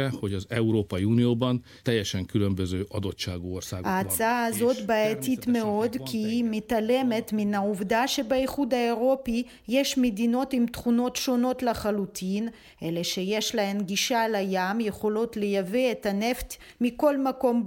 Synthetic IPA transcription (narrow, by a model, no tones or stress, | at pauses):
ɛho̞ɟɒzɛuɾoːpɒiunijoːbɒn | t̪ɛjːɛʃɛŋkylømbøzøːʔɒd̪o̞tt͡ʃaːɡuorsaːɡaːt͡saaːzo̞t̪baet̪it̪meo̞d̪kʰimet̪ale̞met̪minauvd̪aʃe̞beiχud̪aeʁo̞pi | jeʃmed̪ino̞t̪imt̪χuno̞t̪ʃo̞no̞t̪laχalut̪ʰin | eleʃejeʃlaemɡiʃalajamjeχo̞lo̞t̪lejaveet̪aneft̪ | miko̞lmako̞m